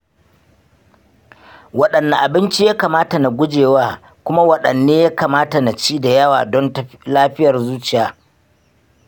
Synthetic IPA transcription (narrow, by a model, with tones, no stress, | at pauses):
wɐ˦ɗɐ˨nːa˨ʔa˨bɪ˦nt͡ʃi˦jaː˦kaː˨maː˦ta˨na˨ɡʷʊ˦d͡ʒeː˨waː˦ | kʷʊ˦ma˦wɐ˦ɗɐ˨nːeː˦ja˦kaː˨maː˦ta˨na˨t͡ʃiː˦da˨jɐ˦wa̰ː˨dɔ˦ntɐ˦laː˦ɸɪ˦jɐ˨rzuː˦t͡ʃɪ˨jaː˨